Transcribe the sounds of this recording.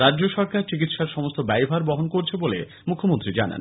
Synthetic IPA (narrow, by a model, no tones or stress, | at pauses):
ɾadd͡ʑoʃɔɾkaɾt͡ɕik̬it̪ʃaɾʃɔmost̪obɛjbʱaɾbɔɦonkoɾt͡ɕʰebolḛ | mukʰomont̪ɾid͡ʑana̰n